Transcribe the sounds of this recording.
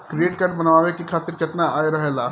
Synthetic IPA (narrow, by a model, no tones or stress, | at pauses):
kɾieːʈ̚kaɾɖbɐnʋaːʋekikʰaːt̪ɪɾkɐt̪naaːjɾɐɦelaː